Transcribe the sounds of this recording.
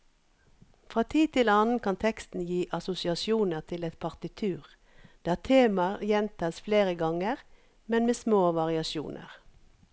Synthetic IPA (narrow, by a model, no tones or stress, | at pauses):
fʁɑːt̪ʰiːt̪ʰɪlɑːnn̩kʰɑnt̪ʰɛkst̪n̩jiːʔɑsʊsɪɑsjuːnəʁt̪ʰɪlɛt̪̚pʰɑʁt̪ɪt̪ʰʉːʁ | d̪̥ææːt̪ʰeːmɑjɛnt̪ʰɑːsfleːʁəɡɑŋəʁ | mɛnmeːsmoːʋɑʁɪɑʃjṵːnə̰ʁ